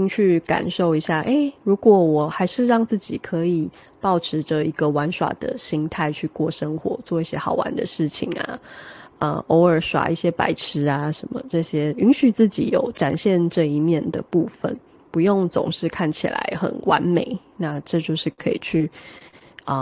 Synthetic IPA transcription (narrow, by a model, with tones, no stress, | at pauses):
i˥ŋt͡ɕʰy˥˩ka̰˨˩nʂo˥˩ʊi˧˥ɕja˥˩ʔe˥˩ɪɻu˧˥kwɔ˨˥wɔ˨˩xa˧˥ɪʂɻ̩˥˧ɻɑ˥˧ŋt͡sɹ̩˥˩t͡ɕi˨˩kʰɤ˧˥i˨˩ | pɑ˥˩ʊʈ͡ʂʰɻ̩˧˥ʈ͡ʂə˧˩i˧˥ɡə˨wa˧˦˥nʂwa̰˨˩d̪ə̰˩ɕi˥ŋt̪ʰa˥˧ɪt͡ɕʰy˥˧kwɔ˥˩ʂə˥ŋxwɔ̰˧˦t͡swɔ˥˧i˥˩ɕjɛ˥xɑ˨˩ʊwa̰˧˦nd̪ə̰˨ʂɻ̩˥˩t͡ɕʰḭ˨˩ŋa̰˨˩ə̰˧˩o˧˥ʊə˞˨˩ʂwa̰˨˩ʔi˥˩ɕjɛ˥pa˧˥ɪʈ͡ʂʰɻ̩˧˥a˨ʂə˨˦nmə̰˦ʈ͡ʂɤ˥˧ɕjɛ˥y˧˥nɕy˨˩t͡sɹ̩˥˩t͡ɕḭ˨˦jo˧˩ʊʈ͡ʂa̰˨˩nɕjɛ˥˧nʈ͡ʂɤ˥˧i˧˥mjɛ˥˩nd̪ə̰˩pu˥˩fə̰˨˩n | pu˧˦jo˥˩ŋt͡sʊ̰˨˩ŋʂɻ̩˥˧kʰa˥˩nt͡ɕʰḭ˨˩la̰˧˦ɪxə̰˨˩nwa̰˧˥nme˨˩ɪ | na˥˧ʈ͡ʂɤ˥˧t͡ɕjo˥˧ʊʂɻ̩˥˩kʰɤ˧˥ḭ˨˩t͡ɕʰy˥˩ | ə˩